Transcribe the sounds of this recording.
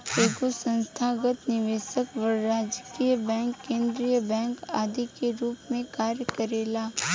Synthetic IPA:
eːɡosə̃nst̪ʰaːɡət̪nɪʋeːsəkʋəɾːaːd͡ʒkiːjəbɛ̃ːŋkːẽːnd̪ɾijəbɛ̃ːŋka̰ːd̪ikeɾuːpmẽkaːɾjəkəɾeːlaː

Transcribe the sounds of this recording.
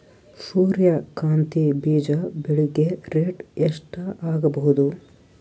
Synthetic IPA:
suːɾjɐkaːnt̪ibiːd͡ʒɐbeɭiɡeɾeːʈeʂʈɐaːɡɐbɐɦud̪u

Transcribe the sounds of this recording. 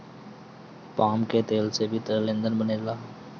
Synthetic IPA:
paːmket̪eːlsebʱit̪əlẽnd̪ənbəneːlaː

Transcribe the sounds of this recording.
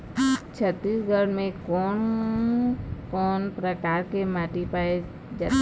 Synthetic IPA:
t͡ʃʰət̪ːisɡʱəɽmẽkɔːn | kɔːnpɾəkaːɾkemaːʈipaːe | d͡ʒaː

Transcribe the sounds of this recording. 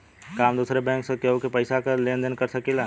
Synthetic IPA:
kaːmd̪uːsɾebɛ̃ːŋksekeɦokepəɪsakəlẽːnd̪ənkɐɾsɐkilaː

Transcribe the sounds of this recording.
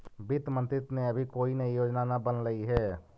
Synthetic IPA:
bɪt̪mə̃nt̪ɾɪt̪neɐbʱikoːinɐɦijoːd͡ʒnanabənləiɦɛː

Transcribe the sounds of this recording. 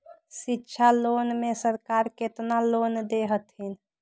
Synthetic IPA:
sitːʃʰalonmesəɾkaɾket̪nalond̪eɦət̪ɦin

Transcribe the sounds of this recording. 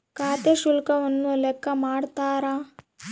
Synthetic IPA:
kaːt̪eʃulkɐʋɐnːulɛkʰːɐmaːɽt̪aːɾa

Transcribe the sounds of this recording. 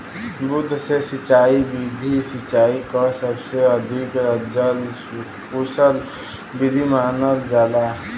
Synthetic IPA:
bʊd̪ʱːsesɪt͡ʃaːibid̪ʱisɪt͡ʃaːikasəbseəd̪ʱikəd͡ʒəl | usəl | bid̪ʱimaːnəld͡ʒaːd̪a

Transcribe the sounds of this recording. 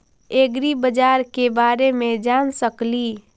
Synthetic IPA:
eɡɾibəd͡ʒaɾkebaɾemẽd͡ʒansəkli

